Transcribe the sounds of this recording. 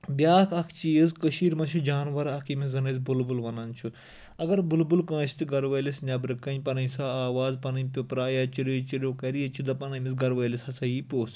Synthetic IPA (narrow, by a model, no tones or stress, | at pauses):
bjaːkʰɐkʰt͡ʃiːəzkəʃiːɾmɐnʃʰid͡ʒaːnʋɐɾɐkʰimizɐnɐzbulbulʋɐnɐnt͡ʃʰu | ɐɡɐɾbulbulkɐ̃ːst̪iɡɐɾʋɐːlisnʲɐbɾɨkːɐnʲpɐnɐnsaːaːʋaːzpɐnɐpʲopɾaːjat͡ʃiɾoːt͡ʃiɾʲjoːkɐɾijɐt͡ʃʰid̪ɐpɐnɐmis̬ɡɐɾʋɐːlishɐsɐjiːpʲoːs